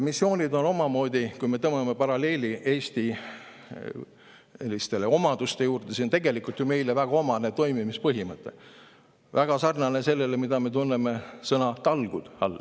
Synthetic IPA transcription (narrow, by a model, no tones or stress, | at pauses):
misːio̞ːnʲid̪o̞no̞mɑmo̞ːd̪ikujme̞t̪ɤmemepɑɾɑle̞ːliʔe̞ːst̪i | lːist̪e̞le̞o̞mɑd̪̥ust̪e̞juːrd̪̥esint̪e̞ɡ̥e̞likult̪jume̞jlevæɡ̥ɑo̞mɑnet̪o̞jmimispɤɦimɤt̪ːˑe̞̰ | væɡ̥ɑsɑrnɑne̞se̞lːe̞le̞mid̪ɑme̞t̪unːeme̞sɤnɑt̪ɑlɡ̥ud̪̥ɑ̰lː